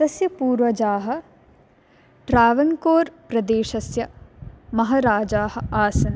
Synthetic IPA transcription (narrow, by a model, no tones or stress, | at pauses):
t̪ɐsjɐpuːɾʋɐd͡ʒaːɦɐ̆ | ʈɾaːʋɐŋkoːɾpɾɐd̪eːʃɐsjɐmɐɦɐɾaːd͡ʒaːɦɐ̆aːsɐn